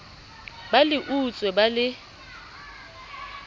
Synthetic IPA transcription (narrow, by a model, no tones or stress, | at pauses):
balɪʔut͡sʼwɛbalɪ